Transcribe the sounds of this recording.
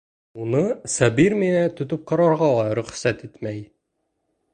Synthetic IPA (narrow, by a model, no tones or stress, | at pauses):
unɤsæbiɾminæt̪ɵ̆t̪ɵp̚qɑ̆ɾɑɾʁɑlˠɑɾɵ̆χsæt̪it̪mæj